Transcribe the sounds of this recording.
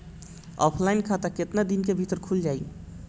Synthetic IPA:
ɔ̰pʰlainkʰat̪aket̪nad̪inkebʱit̪əɾkʰuld͡ʒaj

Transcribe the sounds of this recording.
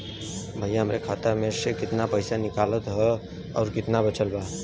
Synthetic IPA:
bʱəjãɦəmɾekʰaːt̪əmẽsekɪt̪napəɪsanɪkaːlət̪ɦɛ | ɔːɾkɪt̪nabət͡ʃəlbaː

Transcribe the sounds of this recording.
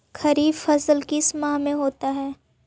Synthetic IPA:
kʰɐɾiːbfɐsəlkismaɦmẽɦoːt̪aɦɛː

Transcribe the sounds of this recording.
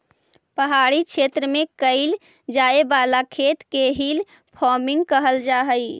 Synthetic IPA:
pəɦaɽikʰʃʰet̪ɾəmẽkəɪl | d͡ʒaebalakʰet̪keɦil | pʰɔɾmɪŋɡkəɦəld͡ʒaɦəj

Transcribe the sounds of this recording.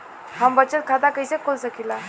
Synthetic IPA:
hambət͡ɕət̪̚kʰad̪akəjsekʰːolsəkila

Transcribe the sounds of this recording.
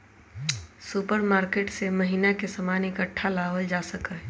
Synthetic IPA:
supəɾmaːɾkeːʈsemɐɦinakesəmaːnɪkəʈʰːalaːɦəld͡ʒaːsəkəɦɛ

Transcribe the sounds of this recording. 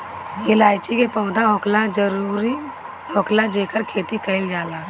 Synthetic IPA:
jelaːɪt͡ʃikepəʊd̪aɦoːklad͡ʒəɾuːɾi | ɦoːklad͡ʒeːkəɾkʰeːt̪ikəɪld͡ʒaːlaː

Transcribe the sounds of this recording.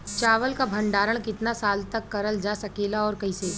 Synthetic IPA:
t͡ʃaːʋəlkabʱɐ̃ɳɖaːɾəɽ̃kɪt̪nasaːlt̪ɐkːɐɾəld͡ʒasɐkeːlaɔːɾkɐĩseː

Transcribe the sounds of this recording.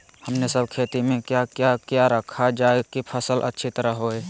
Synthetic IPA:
həmnesəb̚kʰeːt̪imẽkjakjakjaɾəkʰad͡ʒaːekipʰəsəlʔə̰tːʃʰit̪əɾəɦɦoeː

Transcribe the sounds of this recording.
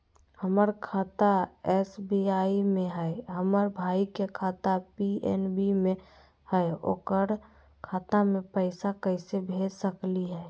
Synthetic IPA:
həməɾkʰaːt̪aɛsbiaːimẽɦɛɦəməɾbʱaːikekʰaːt̪apiɛ̰nbimẽ | hɛeo̰kəɾ | kʰaːt̪amẽpəɪsakəɪsebʱeːd͡ʒsəkliɦɛː

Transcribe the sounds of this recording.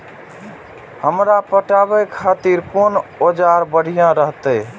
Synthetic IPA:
həmɾapəʈabɛkʰat̪iɾkonod͡ʒaɾbəɽ̤ʱijãɾəɦt̪ə

